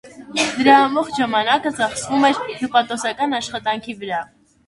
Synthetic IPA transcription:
d̪əɾɑːmɔχʒɑmɑnɑkət͡sɑχsvumɛɾt̪upɑt̪ɔsɑkɑnɑʃχɑt̪ɑŋkʰivəɾɑ

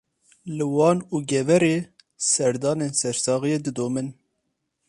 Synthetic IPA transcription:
lɨwɑːnuːɡɛvɛɾeː | sɛɾd̪ɑːneːnsɛɾsɑːɣijeːd̪ɨd̪oːmɨn

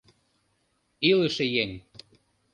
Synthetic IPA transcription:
iləʃĕjeŋ

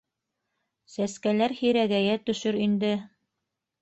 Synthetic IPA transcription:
sæskælæɾhiɾæɡæjæt̪ɵ̆ʃɵɾind̪ɘ

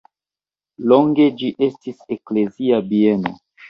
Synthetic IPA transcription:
loŋɡe̞d͡ʒiʔe̞stise̞kle̞ziabieno̰

